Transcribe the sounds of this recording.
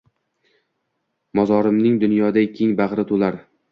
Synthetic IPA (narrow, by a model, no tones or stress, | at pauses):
mɒzɒɾɪmnɪŋd̪ʊnjɒd̪akʲʰɪŋbaʁɾɪt̪ʰʊlaɾ